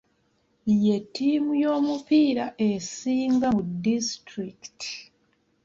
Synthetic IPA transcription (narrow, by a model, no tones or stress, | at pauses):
je̞tːiːmujo̞ːmupiːɾaʔe̞siːŋɡakudistɾiki̥ti̥